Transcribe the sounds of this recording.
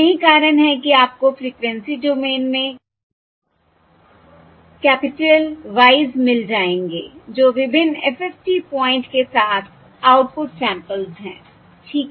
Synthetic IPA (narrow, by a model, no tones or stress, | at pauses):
ɐɦĩkaːɾənɦɛkiaːp̚kofɾiːkʋɛ̃nsiɖoːmeːnmẽ | kɛːpɪʈelʋaːɪzmɪld͡ʒaːẽːŋɡḛːd͡ʒoːʋɪbʱɪnɛfɛfʈiːpɔ̃ːɪ̃ɳʈkesaːt̪ʰ | aːʊʈ̚pʊʈsɛ̃ːmpəlzɦɛ̰̃ː | ʈʰiːk